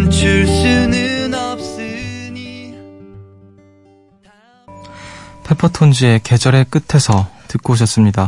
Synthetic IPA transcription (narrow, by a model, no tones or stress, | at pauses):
nt͡ɕʰuɭsɯnɯnʌp̚s͈ɯɲi | pʰepʰʌtʰond͡ʑie̞ke̞d͡ʑʌɾek͈ɯtʰe̞sʰʌtɯk̚k͈oɕ̬ʰʌs͈ɯmɲida